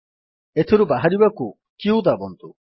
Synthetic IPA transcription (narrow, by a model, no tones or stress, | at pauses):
et̪ʰeɾubaɦaɾibaku | kiud̪abɔnt̪u